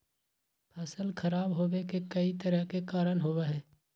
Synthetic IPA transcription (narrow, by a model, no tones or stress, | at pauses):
pʰɐsəlkʰɐɾaːbɦoːwekekɐit̪əɾəɦkekaːɾənɦoːʋaɦɛː